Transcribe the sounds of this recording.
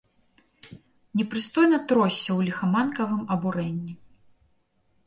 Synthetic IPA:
nʲɛpɾɨst̪ɔjnɐt̪ɾɔsʲːɐwlʲixɐmankɐvɨmɐbuɾɛnʲːi

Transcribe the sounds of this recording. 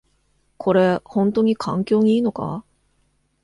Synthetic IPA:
kʰo̞ɾe̞hõnt̪o̞ɲ̟ikʰãŋkʲo̞ːɲ̟iiːno̞ka̰

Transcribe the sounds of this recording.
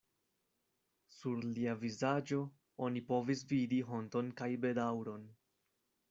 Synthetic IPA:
suɾliavizad͡ʒo̞ | o̞nipo̞vis̬vidiɦo̞nto̞nkajbe̞dawɾo̞n

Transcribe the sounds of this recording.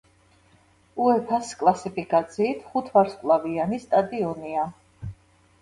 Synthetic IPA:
uɛpʰaskʼlˠasipʰikʼat̪sʰiːt̪ʰχut̪ʰvaɾskʼlˠavianist̪ʼad̪iɔnia

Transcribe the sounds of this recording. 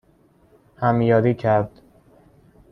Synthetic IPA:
hæmjɒːɾiːcʰæɾd̪̥

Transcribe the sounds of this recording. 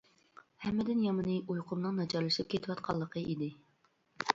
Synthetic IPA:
hɛmːɪd̪ɪnjɑmɨnɨʔujqʰʊmnɨŋnɑt͡ʃʰɑɾlˠɨʃip̚kʲʰet̪ʰɪwɑt̪̚qʰɑlˠːəqʰəʔid̪ɪ

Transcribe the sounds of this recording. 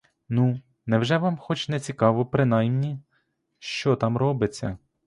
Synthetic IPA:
nu | nɛwʒɛʋɑmxɔt͡ʃnɛt͡sʲikɑʋɔpɾɪnɑjmnʲi | ʃt͡ʃɔt̪ɑmrɔbɪt͡sʲːɐ̰

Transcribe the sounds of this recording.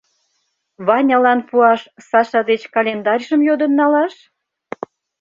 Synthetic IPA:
βɑnʲɑlɑnpuɑʃsɑʃɑd̪et͡ɕkɑlʲend̪ɑrʲʒəmjod̪ə̆nːɑlɑʃ

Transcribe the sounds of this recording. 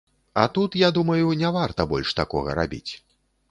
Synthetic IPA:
ɐt̪ut̪jad̪umɐjunʲɛvart̪ɐbɔlʲʂt̪akɔɣɐ̰ɾa̰bʲḭt͡sʲ

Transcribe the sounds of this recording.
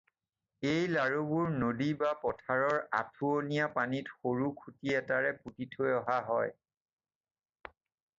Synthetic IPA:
ejlaɹubuɹnodibapɔtʰaɹɔɹa̰tʰuonijapanitxoɹukʰutiɛtaɹɛputitʰojɔɦaɦɔj

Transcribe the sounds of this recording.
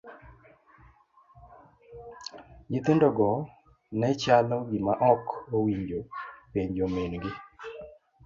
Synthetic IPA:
ɡɪt̪undɔɡɔ | nɛt͡ʃalɔɡimaʔɔkowiɲd͡ʒopeɲd͡ʒomenɡɪ

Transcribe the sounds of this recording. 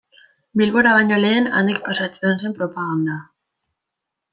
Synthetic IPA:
bilβoɾaβaɲole̞ːna̰nd̪ik̚pasat͡seense̞mpɾopaɣand̪a

